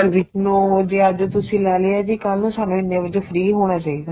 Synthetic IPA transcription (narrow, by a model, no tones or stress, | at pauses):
ɾʋɪt͡ʃnũːod̪eːəd͡ʒt̪ʊsĩːlɛːleaːd͡ʒikəlnũːsaːnũːɪnːẽːʋɪd͡ʒfʰɾiːɦoːɽ̃aːt͡ʃaːiːd̪aː